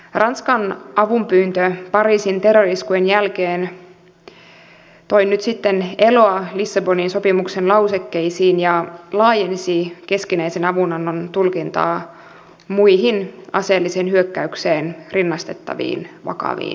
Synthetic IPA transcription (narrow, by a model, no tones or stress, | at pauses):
rʔɑnskɑnʔɑʋumpyːnt̪øpɑɾiːsint̪e̞rːoriskujenjælkeːn | t̪o̞jnyt̪sit̪ːene̞lo̞ɑlisːɑbo̞ninso̞pimuksenlɑwsekːeisiːnjɑlɑːjensike̞skinæjsenɑʋunɑnːont̪ulkint̪ɑ̰ː | muiɦinɑ̰se̞ːlːisenhyøkːæykseːnrinːɑst̪e̞t̪ːɑ̰ʋḭːnʋɑ̰kɑ̰ʋḭːn